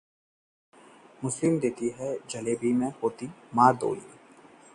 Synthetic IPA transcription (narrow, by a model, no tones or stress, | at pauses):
mʊslɪmd̪eːt̪iɦɛd͡ʒɐleːbʱimẽɦoːt̪imaːɾd̪o̰ːlḭḛː